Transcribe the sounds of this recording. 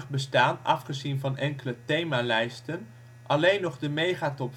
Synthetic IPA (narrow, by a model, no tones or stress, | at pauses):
χbəstaːnɑ̰fχəzinvɑnɛŋkələtejmaːlɛjstən | ʔɑlejnːɔχdəmejχaːtɔp